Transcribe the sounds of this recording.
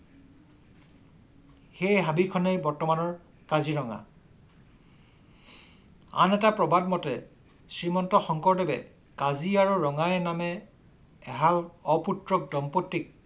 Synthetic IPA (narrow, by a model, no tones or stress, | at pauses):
xejɦabikʰɔnejbɔɹtɔmanɔɹ | kaziɹɔŋa̰ | a̰nɛtapɹɔbad̚mɔtɛ | sɹimɔntɔxɔŋkɔɹdɛbɛ̰ | kaziaɹuɹɔŋajɛnamɛː | ɦalɔputɹɔk̚dɔmpotːik̚